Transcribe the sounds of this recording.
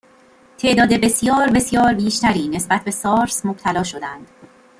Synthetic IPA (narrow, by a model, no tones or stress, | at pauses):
t̪ʰe̞ʔd̪ɒːd̪e̞be̞sjɒːɾbe̞sjɒːɾbiːʃt̪ʰæɾiːne̞sbæt̪̚be̞sɒːɾsmob̥̚t̪ʰælɒːʃo̞d̪ænd̪̥